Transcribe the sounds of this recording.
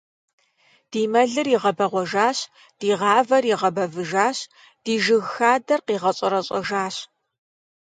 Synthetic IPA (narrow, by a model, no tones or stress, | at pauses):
d̥iːmɐɮɨriʁɐbɐʁʷɔʒaːɕ | d̥iːʁɑːvɐriʁɐbɐvɨʒaːɕ | d̥iːʒɨɣxaːdɐrqiːʁɐɕʼɐɾɐɕʼɐ̰ʒaːɕ